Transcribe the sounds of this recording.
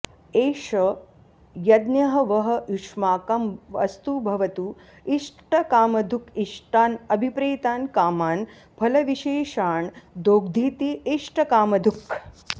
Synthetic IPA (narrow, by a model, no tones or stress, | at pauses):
eːʃɐ | jɐd̪njɐɦɐʋɐɦɐiʂmaːkɐmʋɐ̰st̪ubʱɐʋɐt̪uː | iʂʈɐkaːmɐd̪ʱukiʂʈaːnɐbʱipɾeːt̪aːnkaːmaːn | bʰʱɐlɐʋiʃeːʃaːɳd̪oːɡ̚d̪ʱiːt̪iiʂʈɐkaːmɐd̪ʱuk